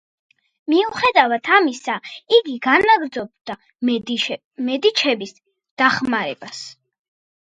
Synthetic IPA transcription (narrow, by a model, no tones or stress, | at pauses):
miuχɛd̪avat̪ʰamisaiɡiɡanaɡɾd̪zɔb̚d̪a | mɛd̪it͡ʃʰɛbis | d̪̥aχmaɾɛ̰b̥as